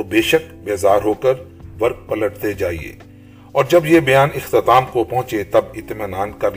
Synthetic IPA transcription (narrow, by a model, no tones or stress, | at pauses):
t̪obeːʃəkbeːzaːɾɦoːkəɾ | ʋɐɾk̚pɐləʈt̪ed͡ʒaːḭḛː | ɔːɾd͡ʒɐbjebɐjaːnɪxt̪ɪt̪aːmkopɐ̃ɦʊ̃t͡ʃet̪ɐbɪt̪mɪnaːnkɐɾ